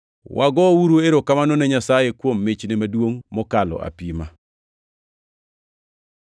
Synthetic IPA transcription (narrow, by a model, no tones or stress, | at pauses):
wʔaɡɔwuɾueɾokamanɔneɲasajekwomːet͡ʃnemadwoŋmɔkalɔ̰ʔa̰pima